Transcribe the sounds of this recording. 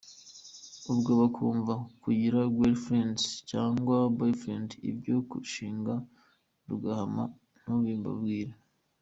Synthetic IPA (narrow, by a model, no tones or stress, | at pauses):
uβɡoβakʰuːɱvakuɟiɾaɡwelfɾendcaːŋɡwabojfɾendḭbɟo̞kṵʃiːŋɡa | ɾuɡahama | n̥uβiːmba̰bɡiːɾe